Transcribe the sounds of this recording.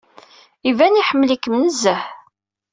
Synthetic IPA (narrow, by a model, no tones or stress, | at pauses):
ivæniħəmːəlikːmnəzːəħ